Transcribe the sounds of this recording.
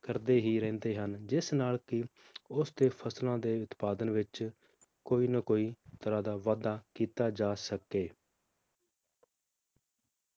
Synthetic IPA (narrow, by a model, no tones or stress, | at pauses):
kəɾd̪eːɦiːɾɛ̃ːnd̪eːɦənd͡ʒɪsnaːlkɪ | ʊsd̪eːpʰəslãːd̪eːʊt̪paːd̪ənʋɪt͡ʃ | koːiːnəkoːiːt̪əɾãːd̪aːʋaːd̪aːkiːt̪aːd͡ʒaːsəkeː